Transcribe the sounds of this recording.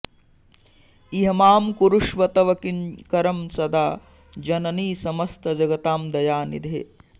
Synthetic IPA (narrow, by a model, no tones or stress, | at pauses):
iɦɐmaːmkuɾuʂʋɐt̪ɐʋɐkinkɐɾɐmsɐd̪aː | d͡ʒɐnɐniːsɐmɐst̪ʰɐd͡ʒɐɡɐt̪aːmd̪ɐjaːnḭd̪ʱḛ